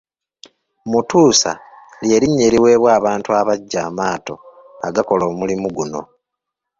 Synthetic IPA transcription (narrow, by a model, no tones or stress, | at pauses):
mutuːsa̰ | lje̞ɾiɲːeɾiwe̞ːβwaːβaːntuaβaɟːaːmaːto̞̰ | aɡako̞lo̞ːmulimuɡuno̞̰